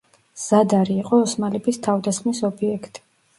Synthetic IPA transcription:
z̥ad̪aɾiːqʼɔːsmalɛbist̪ʰavd̪asχmisɔbiɛkʰt̪ʼi̥

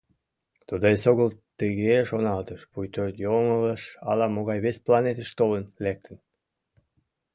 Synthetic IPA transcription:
t̪ud̪oesoɣəlt̪əɣeʃonɑlt̪əʃpujt̪ørt̪jomələʃɑlɑmoɣɑjβesplɑnet̪əʃt̪olənlek̚t̪ʰən

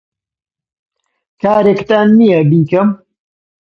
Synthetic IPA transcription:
kaːɾeːkt̪aːnːijɐbiːkɐm

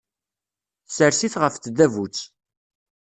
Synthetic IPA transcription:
θsəɾsiθʁəfθðævut͡sː

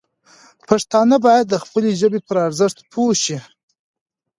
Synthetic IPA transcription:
pʰaʂt̪ɑnabɑjad̪ːəxpəleʒəbepəɾaɾzəʂt̪pʰoʃi

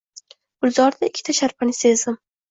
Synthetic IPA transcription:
b̥ʊlzɒɾd̪aɪkʲʰːɪ̥t̪ʰaʃaɾpʰanɪsezɪm

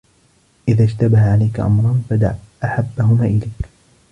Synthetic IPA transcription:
ʔɪðaːʃt̪abahaʕalajkaʔa̰mɾˤɑnfad̪a̰ʕʔaħabːaɦʊmaːʔɪlajk

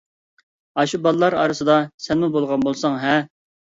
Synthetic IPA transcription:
ɑʃubɑlˠlˠɑɾɑ̰ːɾɨsɨd̪ɑsɛnmubolˠʁɑnbolˠsɑŋɦɛ

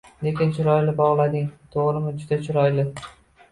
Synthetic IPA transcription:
le̞kʲɪnt͡ʃʰʊɾɒjlɪbɒʁlˠad̪ɪŋt̪ʰoʁɾɪmɪd͡ʒʊd̪at͡ʃʰʊɾɒjlɪ

